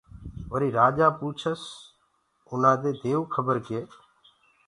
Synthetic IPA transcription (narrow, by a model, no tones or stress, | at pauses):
ʋəɾiːɾaːd͡ʒaːpuːt͡ʃʰəs | ʊnãːd̪eːd̪eːʋkʰəbəɾkɪeː